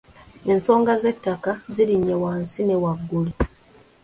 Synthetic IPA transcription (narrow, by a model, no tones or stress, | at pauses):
e̞nso̞ːŋɡaze̞tːakaziliɲːewaːnsine̞waɡːuli